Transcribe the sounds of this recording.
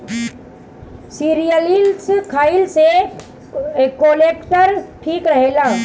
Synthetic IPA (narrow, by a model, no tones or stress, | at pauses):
siɾijəlilskʰaːɪlse | kolekʈəɾʈʰiːkɾɐɦeːlaː